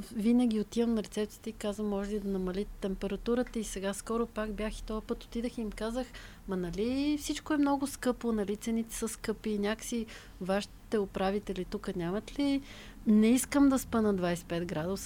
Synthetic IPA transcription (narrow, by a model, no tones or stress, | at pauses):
vinəɡʲiot̪ivəmnɐɾɛt̪sɛp̚t̪si̥t̪ʲikazvəmːɔʒɛlid̪ɐnɐmɐlit̪t̪ːɛmpɛɾɐt̪uɾət̪əisɛɡaskɔɾʊpakbjaxi̥t̪ɔpɤt̪o̥t̪id̪əxiːmkazəx | mɐnɐlifsit͡ʃkoɛmnɔɡʊskɤponɐlit̪sɛnit̪ɛ̥səskɤpiːnʲakə̥si | vaʃi̥t̪ɛʊpɾavit̪ɛlit̪ukənʲamɐt̪li | nɛiskəmd̪ɐspənəd̪vajsɛ̥pɛd̪ɡɾad̪os